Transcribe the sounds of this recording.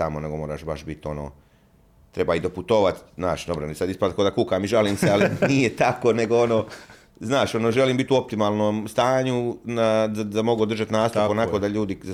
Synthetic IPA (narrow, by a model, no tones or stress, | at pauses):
amone̞ɡo̞mo̞ːɾa̰ːʃbaʃbit̪o̞no̰ː | t̪ɾe̞baid̪o̞put̪oʋat̪znaːʃd̪obɾonisad̪ispat̪kod̪akukaːmiʒaliːmsealinijet̪akone̞ɡoonoː | znaːʃo̞noʒeliːmbit̪uo̞p̚t̪imaːlˠnoːmst̪aːɲunaad̪amo̞ɡuod̪rʒat̪naːst̪oponakod̪aʎuːd̪i